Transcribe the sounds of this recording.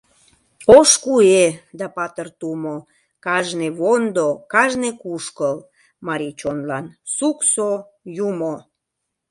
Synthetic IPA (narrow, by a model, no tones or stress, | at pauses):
oʃkued̪ɑpɑt̪ərt̪umo | kɑʒneβond̪okɑʒnekuʃkəl | mɑɾit͡ɕonlɑnsukso | jumo